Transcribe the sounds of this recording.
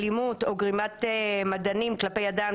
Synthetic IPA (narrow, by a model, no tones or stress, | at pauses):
limuto̞ɡʁimat̪emadanimklape̞jadam